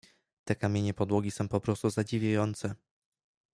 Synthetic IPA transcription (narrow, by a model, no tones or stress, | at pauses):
t̪ɛkamʲjeɲɛpɔd̪wɔɡʲisɔ̃w̃pɔpɾɔst̪uzad͡ʑivʲjajɔnt̪sɛ